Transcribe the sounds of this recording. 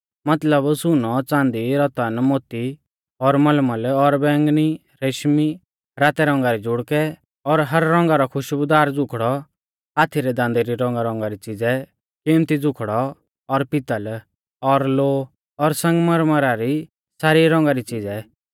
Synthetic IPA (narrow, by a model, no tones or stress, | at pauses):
mɐt̪ləbsʊnɔt͡sãːnd̪iɾɔt̪ənmoːt̪i | ɔɾmɐlməlɔɾbɛ̃ːŋɡni | ɾeʃmi | ɾaːt̪ɛɾɔ̃ːŋɡaɾid͡ʒʊɽkɛ | ɔɾɦɐɾːɔ̃ːŋɡaɾɔkʰʊʃbʊd̪aːɾd͡zʊkʰɽɔ | aːt̪ʰiɾɛd̪ãːnd̪ɛɾiɾɔ̃ːŋɡaɾɔ̃ːŋ̆ɡaɾit͡sɪd͡zɛ | kɪmt̪id͡zʊkʰɽɔ | ɔɾpɪt̪əl | ɔɾloː | ɔɾsɐ̃ŋɡməɾməɾaɾi | saːɾiɾɔ̃ːŋɡaɾit͡sid͡zɛ